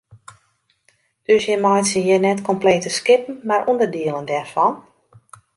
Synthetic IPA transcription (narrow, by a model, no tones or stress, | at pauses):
d̥øsjɛmɔjtsəjinɛtkɔmpleːtəskɪpən̩marʔundərdiəlˠəndɛrfɔn